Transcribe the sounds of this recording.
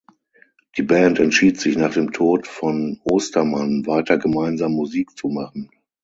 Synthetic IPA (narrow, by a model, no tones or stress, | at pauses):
d̥iːbɛːntɛntʃiːtz̥ɪçnaːχd̥eːmtʰoːtfɔnʔoːstɐmanvaɪtɐɡəmaɪnzaːmːuziːk̚t͡sumaχn̩